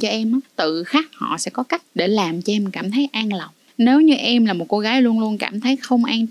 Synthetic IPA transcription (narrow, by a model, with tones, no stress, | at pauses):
t͡ɕɔ˧ʔɛ˧mʔaː˨˦t̪ɨ̰˧˨xaː˦˥k̚hɔ̰˧˨sɛ̰˧˥kɔ˨˦ka˦˥jk̚ɗe˧˩laː˨˩mt͡ɕɔ˧ʔɛ˧m˩kaː˧˩mt̪ʰə˨˦jʔaː˧ŋlə˨˩wŋ͡m | ne˨˦wɲɨ˧ʔɛ˧mlaː˨˩mo˨˩t̚ko˧ɣaː˨˦jlu˧ənlu˧ənka̰ː˧˩mt̪ʰə˨˦jxə˧wŋ͡mʔaː˧ŋ